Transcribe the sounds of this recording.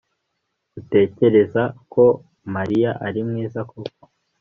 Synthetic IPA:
ute̞ːce̞ɾe̞zako̞ | maɾijaʔaɾimŋiːzakʰoko̥

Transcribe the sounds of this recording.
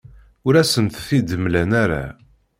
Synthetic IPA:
ʊɾæsənt̪θid̪əmlænæɾa̰

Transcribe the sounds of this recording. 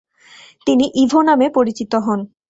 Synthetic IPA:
t̪iniʔibʱonamepoɾit͡ɕit̪oɦɔn

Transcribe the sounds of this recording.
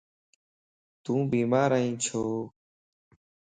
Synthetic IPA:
t̪ũːbiːmaːɾaːĩːt͡ʃʰoː

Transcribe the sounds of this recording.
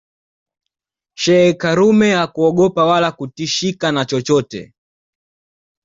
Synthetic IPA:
ʃɛɛkaɾumɛakuɔɠɔpawalakutiʃikanat͡ʃɔt͡ʃɔtɛ̰

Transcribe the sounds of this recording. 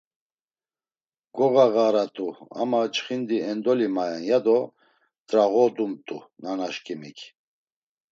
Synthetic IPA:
ɡ̥ɔɣaɣaɾat̪ʼua̰mat͡ʃχind̪iɛnd̪ɔlimajanjad̪ɔ | t̪ʼɾaɣɔd̪umt̪ʼunanaʃkʼimikʰ

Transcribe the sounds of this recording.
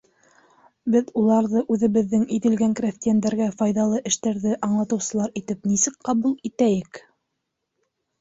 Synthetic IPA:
bɘðulˠɑɾðɤʔʉðɘ̆βɘ̆ðːɘŋiðɘ̆lɡæŋkrʲaft̪ʲijænd̪æɾɡæfɑjðɑlˠɤʔɘ̆ʃt̪æɾðɘʔɑɴlˠɑt̪ɤ̆wsɤ̆lˠɑɾit̪ɘpnisɘkqɑβulˠit̪æjɘk

